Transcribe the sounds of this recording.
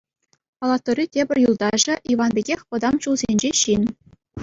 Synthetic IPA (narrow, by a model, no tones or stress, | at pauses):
pɑlˠɑt̪ːŏrʲitʲebʲɘ̆rʲjulˠd̪ɑʐɘ̆ʔiʋɑnbʲeɡʲexʲpɤ̆d̪ɑmɕulzʲenʲd͡ʑeɕinʲ